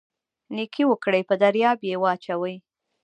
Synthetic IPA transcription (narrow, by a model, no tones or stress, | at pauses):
nikʰiwəkɽəjpəd̪aɾjɑbjewəat͡ʃawəj